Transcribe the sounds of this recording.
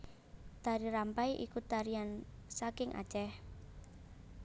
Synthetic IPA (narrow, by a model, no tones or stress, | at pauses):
d̪̥aɾiɾampajʔḭkut̪aɾiansakɪŋʔa̰dd͡ʒʒɛh